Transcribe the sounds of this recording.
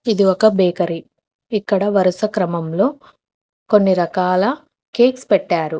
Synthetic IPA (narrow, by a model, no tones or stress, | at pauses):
id̪iɔkɐbeːkɐɾi | ikːɐɽɐʋɐɾɐsɐkɾɐmɐmlo̞ː | ko̞nːiɾɐkaːlɐ | ke̞ːkspɛʈːaːɾu